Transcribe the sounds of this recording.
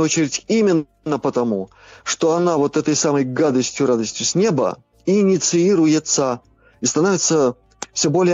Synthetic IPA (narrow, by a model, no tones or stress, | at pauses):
ot͡ɕɪɾʲɪtʲimʲɪn | nːəpət̪ɐmu | ʂt̪o̞ɐnavo̞t̪ɛt̪əjsaməjɡad̪əsʲtʲjʊɾad̪əsʲtʲjʊsʲnʲe̞bə̰ | inʲɪt̪sɨiɾʊjɪt̪sə | ist̪ɐnovʲɪt̪sə | fsʲɵbo̞lʲɪj